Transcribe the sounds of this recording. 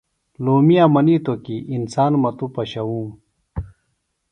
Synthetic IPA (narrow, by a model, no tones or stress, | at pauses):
loːmijaːmɐnit̪okiʔinsaːnmɐt̪upɐɕɐwũːm